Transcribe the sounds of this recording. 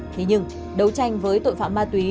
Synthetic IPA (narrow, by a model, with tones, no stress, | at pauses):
t̪ʰe˨˦ɲɨ˧ŋ | ɗə˨˦wt͡ɕa˧jŋ̟vəː˨˦jt̪o̰˧˨jfa̰ː˧˨maː˧t̪wi˨˦